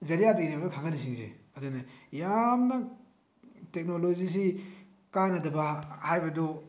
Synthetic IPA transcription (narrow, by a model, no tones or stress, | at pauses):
zɐɾijadɐɡinɐbɐdɐkʰaŋɡɐnis̬iŋzḛ | ɐdunɐjamnɐ | tek̚nolozis̬i | kanɐdɐbɐhajbɐdu